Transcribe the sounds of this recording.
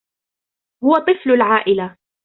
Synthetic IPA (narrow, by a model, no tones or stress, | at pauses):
hʊwat̪ˤɨflʊlʕaːʔɪla